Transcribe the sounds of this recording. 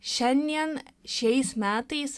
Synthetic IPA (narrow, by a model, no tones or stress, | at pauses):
ʃɐnjɐnʃejsmaːt̪iːs